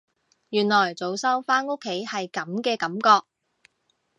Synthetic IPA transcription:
jyː˨˩nlɔː˨˩jt͡so˨˧wsɐ˥wfaː˥no˥kʰːe˨˥jhɐ˨jkɐ˨˥mkɛː˧kɐ˨˥mkɔː˧k̚

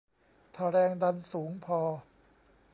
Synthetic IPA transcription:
t̪ʰa˧ɾɛː˧ŋda˧nsuː˩˦ŋpʰɔː˧

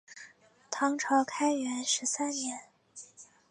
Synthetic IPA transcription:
t̪ʰɑ˧˥ŋʈ͡ʂʰɑ˧˥ʊkʰa˥ɪɥɛ˧˥nʂɻ̩˧˥sa˥nnjɛ˧˥n

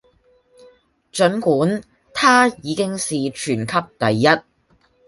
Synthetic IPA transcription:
t͡ʃɵ˨˥nkuː˨˥n | t̪ʰaː˥jiː˨˧kɪ˥ŋsiː˨t͡ʃʰyː˨˩nkʰɐ˥p̚t̪ɐ˨jːɐ˥t̚

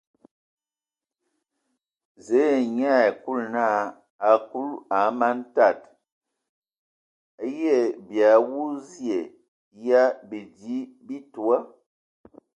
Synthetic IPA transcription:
ze˨˦˨ɲa˦˨ku˦˨lna˦˨ | a˨ku˦la˨˦ma˦nta˦˨t | a˦jɛ˦˨bja˨wu˦zje˨ | ja˦bi˨di˨˦bi˦tu˨a˦

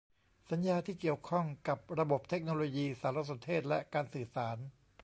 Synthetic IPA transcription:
sa˩˦njaː˧t̪ʰiː˥˩ki˨˩əwkʰɔ˥˩ŋka˨˩p̚ɾa˧bo˨˩p̚t̪ʰe˦˥k̚noː˧loː˧jiː˧saː˩˦ɾo˦˧˥so˩˦nt̪ʰeː˥˩t̪̚lɛ˦˥kaː˧nsɯː˨˩saː˩˦n

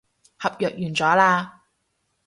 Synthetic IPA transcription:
hɐ˨p̚jœː˨k̚jyː˨˩nt͡sɔː˨˥laː˧

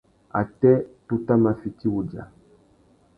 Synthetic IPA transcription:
a̰˨tɛ˦tu˦ta˦ma˨fi˨ti˦wu˨d͡ʒa̰˨

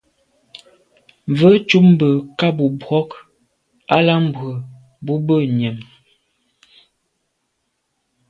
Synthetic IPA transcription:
ɱvə˦t͡ʃu˦m˦bə˨ka˦bu˨bwɔ˦k | a˦la˦m̩˦bwə˨ | bu˦bə˦˨ɲə˨m

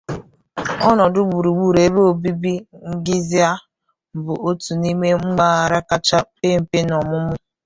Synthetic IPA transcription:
ɔ˦nɔ˨dʊ˦ɡ͡bu˨ɾu˨ɡ͡bu˨ɾe˨˦bo˦˨bi˦bi˦ŋ̩˦ɡɪ˦zi˦a˦˨ | bʊ˨ʔo˦tu˨ni˦me˦ŋ͡m̩˦ɡ͡ba˦a˨ɾa˦ka˦t͡ʃa˦pe˦m̩˨pe˦nɔ˨mʊ˦mʊ˦

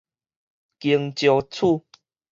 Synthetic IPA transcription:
ki˧əŋt͡ɕjo˧t͡sʰu˥˧˨

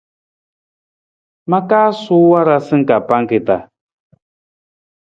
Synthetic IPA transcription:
ma˦kaː˦su˦wa˦ɾa˦sɨ˦ŋ̩˨ka˨pa˦ŋ˦kɪ˨ta˨

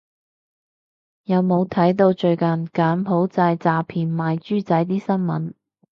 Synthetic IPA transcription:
jɐ˨˧wmo˨˧wt̪ʰɐ˨˥jt̪̬o˧wt͡ʃɵ˧ɥkɐ˨˩nkaː˨˥nɦo˨˥wt͡saː˧jt͡saː˨˧pʰiː˨˩nmaː˨˧jt͡ʃyː˥t͡sɐ˨˥jt̪̬iː˥sɐ˥nmɐ̰˨˥n

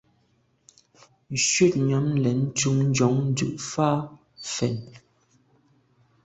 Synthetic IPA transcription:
n̩˨ʃɥe˦˨t̚ɲa˨˦mlɛ˨n̩˦tu˦ŋn̩˦d͡ʒɔ˨˦ŋn̩˦dʉ̰˦˨ʔfaː˦ | fɛ˨n

